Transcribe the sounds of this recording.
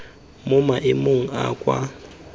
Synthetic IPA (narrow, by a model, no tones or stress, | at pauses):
mʊmaʔemuŋ̩a̰kʼwa̰